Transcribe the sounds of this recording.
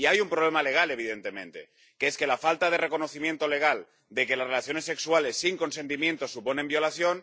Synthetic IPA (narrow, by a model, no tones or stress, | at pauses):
iajumpɾoβ̞lemale̞ɣ̞ale̞β̞iðent̪emẽ̞nt̪e̞̰ | keeske̞lafalt̪aðe̞re̞ko̞noθimje̞nt̪o̞le̞ɣ̞al | d̪e̞kelasrelaθjo̞ne̞se̞kswale̞sːiŋko̞nse̞nt̪̬imje̞nt̪o̞supo̞nembio̞laθjo̞n